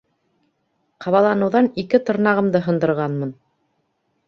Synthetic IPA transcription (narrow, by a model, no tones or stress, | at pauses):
qʰɑβɑlˠɑnɤ̆wðɑnikɘt̪ŏɾnɑʁɤ̆md̪ɤɦɤ̆nd̪ɤ̆ɾʁɑnmɤn